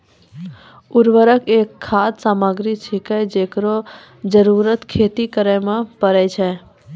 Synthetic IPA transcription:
ʊɾʋəɾəkekʰːaːd̪saːmaɡɾit͡ʃʰikəjd͡ʒekɾo | d͡ʒəɾuɾət̪kʰeːt̪ikəɾəjmãpəɾɛjt͡ʃʰe

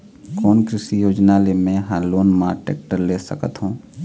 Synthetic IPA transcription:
kɔːnkɾɪsijoːd͡ʒnalemẽɦãloːnmaːɾʈḛːk̚ʈəɾleːsə̰kət̪ɦõː

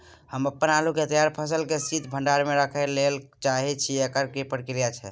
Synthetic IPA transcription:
həməpːənalukeət̪ijaɾpʰəsəlkesit̪ʰbʱəɳɖaɾmeɾəkʰəlelt͡ʃaɦɛt͡ʃʰiekəɾkipəɾkiɾijat͡ʃʰɛ

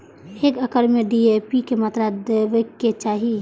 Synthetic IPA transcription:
ekəkəɾmeɖiepikemat̪ɾad̪eʋəkːet͡ʃaːɦi

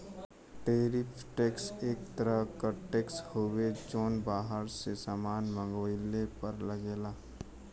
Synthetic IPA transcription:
ʈeːɾɪpʰʈeːkseːk̚t̪əɾəɦkəʈeːkshoːwed͡ʒoːnbaːɦəɾsesaːmaːnmə̃ŋɡoɪlepɐɾləɡeːlaː

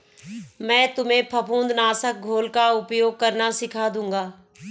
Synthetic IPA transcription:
mɛ̃ːt̪ʊmẽpʰɐpũːnd̪naːsək̚ɡʱoːlkaʊpjoːɡ̚kɐɾnasɪkʰad̪ũːŋɡaː

